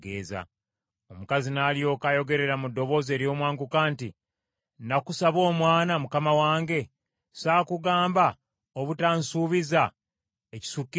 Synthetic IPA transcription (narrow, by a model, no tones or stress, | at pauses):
ɡḛːza̰ | o̞mukazinaːljo̞kajo̞ɡe̞ɾe̞ɾamudːo̞βo̞ːze̞ːɾjo̞ːmwaːŋɡukaːnti | nakusaβo̞ːmwaːnamukamawaːŋɡe̞ | saːkuɡaːmba | oβutaːnsuːβiza | eci̥sukːi